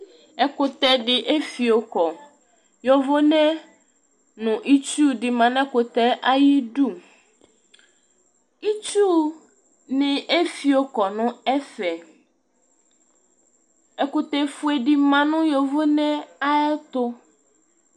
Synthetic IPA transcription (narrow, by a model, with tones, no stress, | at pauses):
ɛ˨kʊ˨t̪ɛ˨dɪ˨ʔe˦fi˨o˨kɔ˨ | jɔ˨vo˦nɛ̃˦ | nʊ̃˨ʔi˦t͡ʃu˦dɪ˨mã˨n˦ɛ̃˦kʊ˨t̪ɛ˦ʔa˦ji˦du˦˨ | i˦t͡ʃu˦ | nɪ̃˨ʔe˦fi˨o˨kɔ˨nʊ̃˦ɛ˦fɛ˨ | ɛ˨kʊ˨t̪ɛ˨fʊ˨˦ɛ˨dɪ˨mã˨nʊ̃˦jɔ˨vo˦nɛ̃˦a˦ɛ˦t̪ʊ˦